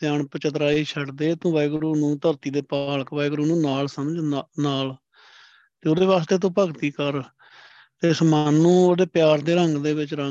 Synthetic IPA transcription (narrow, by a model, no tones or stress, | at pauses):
t̪jaːɳpət͡ʃət̪ɾaːiːt͡ʃʰəɽd̪eːt̪õːʋajɡɾuːnũːt̪əɾt̪iːd̪eːpaːləkʋajɡɾuːnũːnaːlsəməd͡ʒnaːl | t̪eːod̪eːʋaːst̪eːt̪̬õːpəɡt̪iːkəɾ | t̪eːsmaːnːũːodeːpjaːɾd̪eːɾəŋɡd̪eːʋɪt͡ʃɾə